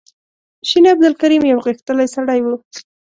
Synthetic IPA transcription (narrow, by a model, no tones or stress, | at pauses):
ʃinab̚d̪ɪlkaɾimjawɣixt̪əlajsaɽajwu